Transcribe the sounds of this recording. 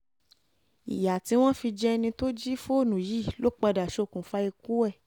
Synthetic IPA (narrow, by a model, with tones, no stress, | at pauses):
ḭ˨ja˨ti˨˦w̃ɔ̃˦fi˧d͡ʒɛ˦nĩ˧to˦d͡ʒi˦fo˦˨nũ˨ji˦˨lo˦k͡pa˧da˨ʃo˧˦˨kũ˨fa˦i˧ku˦ɛ˦˨